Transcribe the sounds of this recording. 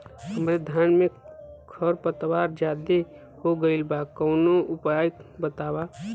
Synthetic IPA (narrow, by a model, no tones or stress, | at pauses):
həmɾed̪ʱaːnmẽkʰəɾpət̪waːɾd͡ʒaːd̪e | hoɡəɪlbaːkəʊnoʊpajkbət̪aːwa